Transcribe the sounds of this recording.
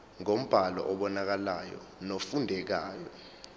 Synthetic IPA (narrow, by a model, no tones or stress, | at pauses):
ŋom̩b̥ʱalɔ̰ʔɔɓɔnak̬alajɔ̰nofundʱɛk̬aːjɔ